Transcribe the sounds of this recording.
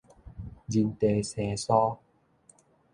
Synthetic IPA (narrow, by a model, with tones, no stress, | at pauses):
zi˧nt̪e˧sɛː˧˩sɔː˦˥